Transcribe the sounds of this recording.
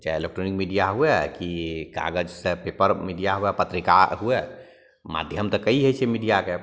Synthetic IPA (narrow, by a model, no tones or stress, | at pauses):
d͡ʒaelek̚ʈɾonikmiɖijaɦuɛkiɡa̰ɡəd͡ʒsə̃pepəɾmiɖijaɦuɛpət̪ɾika̰ɦuɛ | ma̰d̪ʱjəmt̪ɔkəiɦɛjt͡ʃʰɛmiɖijake